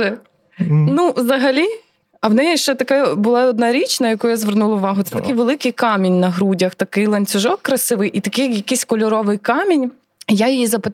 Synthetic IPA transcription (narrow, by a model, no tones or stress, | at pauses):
nuwzɐɦɐlʲi | ɐwnɛjɛʃt͡ʃɛt̪ɐkabʊlˠɑɔd̪nɑɾʲit͡ʃnɐjɐkujʊjazʋernulˠɐʊʋɑɦʊt̪sɛt̪ɐkɪjʋelˠɪkɪjkɑmʲinʲnɐɦɾudʲɐxt̪ɐkɪjlˠɐnʲt͡sʲʊʒɔkːɾɐsɪʋɪjʔit̪ɐkɪjjɐkɪsʲkɔlʲʊɾɔʋɪjkɑmʲinʲ | jajɪjizɐpɪ